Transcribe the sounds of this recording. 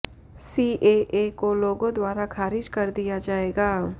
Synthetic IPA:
siːʔeːʔekoloːɡõd̪waːɾakʰaːɾɪd͡ʒkɐɾd̪ijad͡ʒaːeːɡaː

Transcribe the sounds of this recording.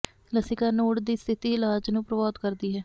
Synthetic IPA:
ləsɪkaːnoːɽd̪iːst̪ʰɪt̪iːɪlaːd͡ʒnũːpɾəbaːd̪kəɾd̪iːɦɛː

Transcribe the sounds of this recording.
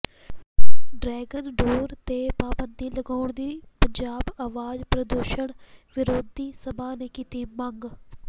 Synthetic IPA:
ɖɾɛːɡənɖoːɾt̪eːpaːbənd̪iːləɡaːʊɳd̪iːpəɲd͡ʒaːbaːʋaːd͡ʒpɾəd̪uːʃəɳʋɪɾoːd̪iːsəbaːneːkiːt̪iːməŋɡ

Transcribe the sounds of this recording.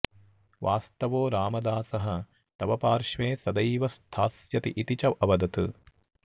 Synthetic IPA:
ʋʔaːst̪ɐʋoːɾaːmɐd̪aːsɐɦɐ | t̪ɐʋɐpaːɾʃʋeːsɐd̪ɐjʋɐst̪ʰaːsjɐt̪iʔit̪it͡ʃɐʔɐʋɐd̪ɐt̪ɨ

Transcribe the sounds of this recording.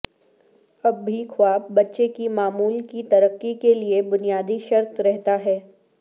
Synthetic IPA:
ɐbːikʰʊaːpbɐtːʃekimaːmuːlkit̪ɐɾəqːikeliebʊnijaːd̪iʃɐɾt̪ɾɛɦt̪aɦɛː

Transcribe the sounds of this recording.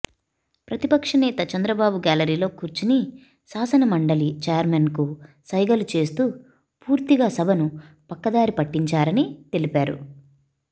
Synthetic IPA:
pɾɐt̪ipɐkʂɐnɛːt̪ɐt͡ʃɐnd̪ɾɐbaːbuɡaːlɐɾiːlo̞ːkuɾt͡ʃini | saːsɐnɐmɐɳɖɐlit͡ʃeːjɐɾmenku | sɐjɡɐlut͡ʃe̞ːst̪uː | puːɾt̪iɡaːsɐbʱɐnu | pɐkːɐd̪aːɾipɐʈːiɲt͡ʃaːɾɐnit̪e̞lipaːɾṵ

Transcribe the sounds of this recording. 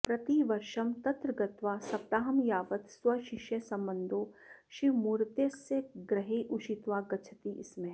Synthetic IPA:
pɾɐt̪iʋɐɾʃɐmt̪ɐt̪ɾəɡɐt̪ʋaːsɐp̚t̪aːɦɐmjaːʋət̪swɐʃɪʃjəsɐ̃mbənd̪ʱoːʃimuɾt̪eseɡɾɐɦeʔuʃit̪ʋaːɡɐt͡ʃʰət̪iʔɪsmẽ

